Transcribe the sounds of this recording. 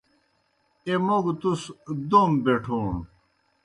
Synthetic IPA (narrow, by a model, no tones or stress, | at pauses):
emoɡt̪usd̪ombeʈʰoːɳ